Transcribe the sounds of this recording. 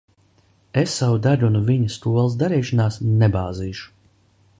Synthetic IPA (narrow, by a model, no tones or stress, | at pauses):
esːavud̪aʎʲunviɲɐst̪uɔlˠs̬d̪aɾiːʃɔnaːsnɛbaːziːʃu̥